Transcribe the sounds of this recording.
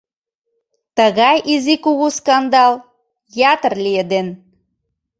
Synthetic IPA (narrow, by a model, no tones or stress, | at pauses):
t̪əɣɑjʔizikuɣuskɑnd̪ɑl | jɑt̪ərlied̪en